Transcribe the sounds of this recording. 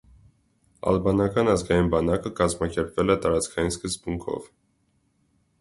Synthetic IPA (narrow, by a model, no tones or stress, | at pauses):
ɑ̰lbɑnɑkɑnɑzɡɑjinbɑnɑkəkɑzmɑkɛɾpvɛlɛt̪ɑɾɑt͡skʰɑjinskəzbuŋkʰɔ̰v